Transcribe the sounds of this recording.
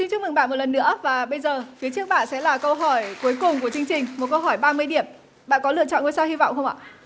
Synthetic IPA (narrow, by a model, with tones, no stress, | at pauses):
i˧ŋt͡ɕɨ˧˥mɨ˨˩ŋɓa̰ː˧˨nmo˨˩t̚lə˨˩nːɨ̰˧˥əvaː˨˩ɓə˧jzəː˨˩fi˨˦ət͡ɕɨ˦˥ək̚ɓa̰ː˧˨nsɛ̰˧˥laː˨˩kə˧wɦɔ˧˩jku˨˦əjkʊ˨˩ŋ͡mku˧˩ət͡ɕɨ˧əŋt͡ɕï˨˩ŋ̟mo˨˩t̚kə˧wɦɔ˧˩jɓaː˧mɨ˧əjɗi˧˩əm | ɓa̰ː˧˨nkɔ˨˦lɨ̰˧˨ət͡ɕɔ̰˧˨ŋ˧əjsaː˧whi˧vɔ̰˧˨wŋ͡mxə˧wŋ͡mʔa̰ː˧˨